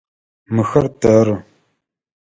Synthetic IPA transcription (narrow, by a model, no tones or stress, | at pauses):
mɨxɐrtʰɐrɨ